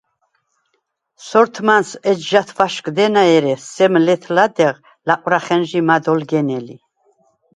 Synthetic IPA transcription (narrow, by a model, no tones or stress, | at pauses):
sɔɾt̪ʰmansɛd͡ʒʒat̪ʰvaʃkʼd̪ɛnaɛɾɛsɛmlɛt̪ʰlad̪ɛʁ | laqʼwɾaχɛnʒimad̪ɔlɡɛnɛli